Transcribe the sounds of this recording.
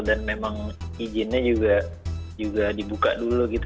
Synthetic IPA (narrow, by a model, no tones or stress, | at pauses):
danmemaŋid͡ʒɪnɲad͡ʒuɡad͡ʒuɡadibuka̰ʔdulukit̪